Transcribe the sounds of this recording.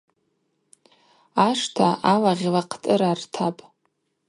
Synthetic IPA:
aʂtʰaalaʁʲlaqʰtʼɨɾartʰapʼ

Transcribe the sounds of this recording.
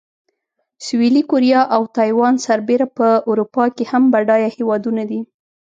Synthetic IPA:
swilikuɾjɑʔawt̪ɑjwɑnsaɾbeɾapəuɾupɑkehambaɖɑjahewɑd̪unad̪i

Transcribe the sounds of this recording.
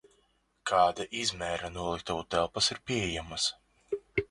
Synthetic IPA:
kʰɑːd̪aʔizmɛɾanuɔlˠik̚t̪aut̪ɛlˠpɐsiɾpʲiɛɛjamas

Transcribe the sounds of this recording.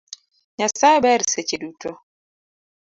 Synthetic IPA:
ɲasabɛɾiset͡ʃedutɔ

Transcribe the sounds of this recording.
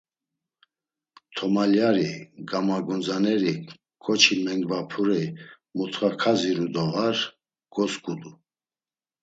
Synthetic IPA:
t̪ʰɔmaljaɾiɡamaɡɔnd͡zanɛɾi | kʰɔt͡ʃʰimɛŋɡvapʰuɾɛ | mut̪ʰχakʰaziɾud̪ɔɣaɾ | ɡ̥ɔskʼud̪u

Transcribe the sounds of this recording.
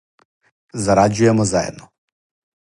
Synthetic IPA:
zaɾad͡ʒujɛmɔzajɛ̰d̪̚nɔ

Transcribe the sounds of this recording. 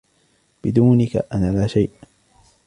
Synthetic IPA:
b̥ɪd̪uːnɪka̰ʔanaːlaːʃajʔ

